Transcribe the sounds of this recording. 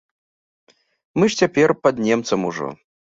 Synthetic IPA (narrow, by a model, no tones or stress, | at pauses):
mɨʂt͡sʲapʲɛrpad̪nʲɛmt̪sɐmuʐɔ̰